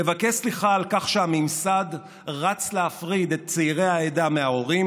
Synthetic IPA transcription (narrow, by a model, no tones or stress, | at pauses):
evakesliχaːlkaχʃeamimsad | ʁat͡sleafʁid̪e̞t̪̚t͡seiʁe̞jaedameao̞ʁi